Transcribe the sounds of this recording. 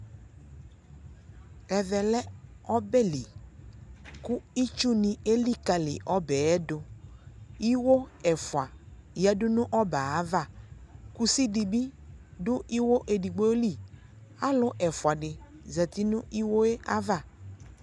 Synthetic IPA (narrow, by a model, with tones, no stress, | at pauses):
ɛ˨ðɛ˨lɛ˦ɔ˦bɛ˦li˨ | kʊ˦i˦t͡ʃu˦nĩ˨e˦li˦ka˨lɪ̰˨ʔɔ˦bɛ˨ɛ˦dʊ˨ | i˦wo˦ɛ˨fwa˨jɛ˦dʊ˦nʊ̃˦ʔɔ˦ba˨a˨˦va˦˨ku˦si˦di˨bi˦dʊ˦ʔi˦wo˦ʔe˨di˨ɡ͡bo˦li˦˨a˦lʊ˦ʔɛ˨fwa˨ɖɪ˨zɛ˨t̪ɪ˦nʊ̃˦i˦wo˦e˦a˦va˦˨